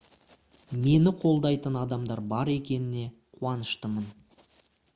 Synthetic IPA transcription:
me̞nɪqʰo̞lˠd̪ɑjt̪ənɑd̪ɑmd̪ɑɾbɑɾe̞kʲe̞nɪne̞qʰuɑnəʃt̪əmən

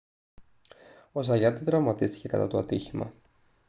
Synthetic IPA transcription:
o̞zɐʝɐt̪itðɾɐvmɐt̪ist̪i̥ce̞kɐ̰t̪ɐ̰t̪oɐt̪içimɐ̰

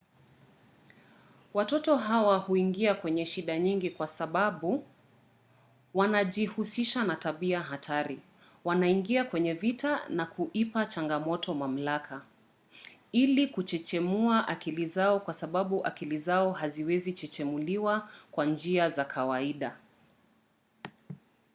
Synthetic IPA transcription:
watɔtɔɦawahuiŋɡiakwɛɲɛʃiɗaɲiŋɡikwasaɓaɓu | wanaʄihusiʃanataɓiaɦatʰaɾi | wanaiŋɡiakwɛɲɛvitanakʰuʔipat͡ʃaŋɡamɔtʰɔmam̩lakʰa | ilikut͡ʃɛt͡ʃɛmuaʔakilizaɔkwasaɓaɓuʔa̰kilizaɔhaziwɛzit͡ʃɛt͡ʃɛmuliwakwand͡ʒiazakʰawaiɗa

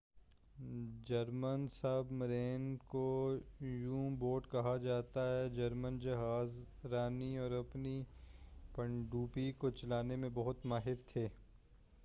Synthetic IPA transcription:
d͡ʒɐɾmənsɐbmɐɾeːnko | jũboːʈkɐɦad͡ʒaːt̪aɦɛd͡ʒɐɾmənd͡ʒɐɦaːzɾaːniɔːɾɐpni | pɐ̃ɳɖuːpikot͡ʃɐlaːnemẽbɐɦʊt̪maːɦɪɾt̪ʰeː

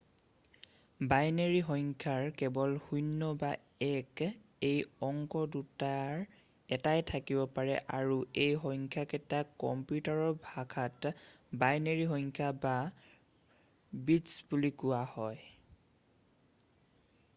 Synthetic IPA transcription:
bajneɹiɦɔŋkʰaɹkɛbɔlhujnːɔba | ɛkejɔŋkɔdutaɹ | ɛtajtʰakibɔpaɹɛ̰ʔaɹuejɦɔjŋkʰjaketakɔ̰mpjutaɹɔbʱaɡʰat | bajneɹiɦɔjŋkʰaba | bitsbulikʊwahɔj

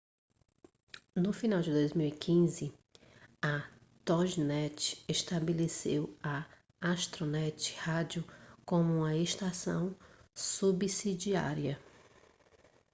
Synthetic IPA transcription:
nʊfinawd͡ʒɪd̪ojzmiwikʰĩzɪ | ɐ | t̪ɔʒnɛt͡ʃɪ̥eʃt̪abelesḛwɐ | aʃt̪ɾonɛt͡ʃɪ̥had͡ʒʊkõmʊũmɐeʃt̪asɐ̰̃w̃subisid͡ʒia̰ɾiɐ

